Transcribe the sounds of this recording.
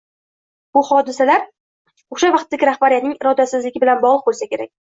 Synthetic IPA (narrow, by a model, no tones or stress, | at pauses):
b̥ʊhɒd̪ɪsalaɾ | oʃavɑqt̪ːaɡʲɪɾahbaɾijat̪nɪŋɪɾɒd̪asɪzlɪɡʲɪbɪlanbɒʁlˠɨq̚bolˠsakʲʰe̞ɾa̰kʲ